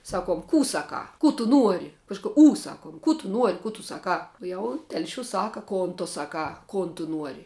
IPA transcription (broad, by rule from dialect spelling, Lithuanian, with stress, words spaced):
ˈsɑːˌkuɔm ˈkuː ˈsɑːˌkɑː ˈkuː tʊ ˈnuɔrʲɪ ˈkɑːʃkʊ uː ˈsɑːkuɔm ˈkuː tʊ ˈnuɔrʲɪ ˈkuː tʊ ˈsɑːˌkɑː ˈjɛʊ ˈtʲɛlʲʃʲuːs ˈsɑːkɐ ˈkoːn tʊ ˈsɑːˌkɑː ˈkoːn tʊ ˈnuɔrʲɪ